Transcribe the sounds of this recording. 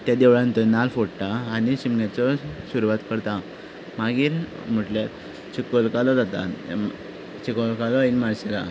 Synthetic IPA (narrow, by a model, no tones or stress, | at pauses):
t̪jad̪eʋɭant̪ənalfoɽt̪aːñiɕimɡat͡sɔsuɾuʋat̪kəɾt̪a | maɡiːɾ | m̤əʈljat̪ | t͡ɕikolkalɔd͡zat̪a̰ | t͡ɕikolkalɔinmaɾɕela̰